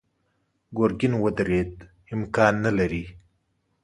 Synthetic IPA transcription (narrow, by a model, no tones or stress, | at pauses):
ɡoɾɡɪnwəd̪ɾed̪ | ɪmkɑnːalaɾi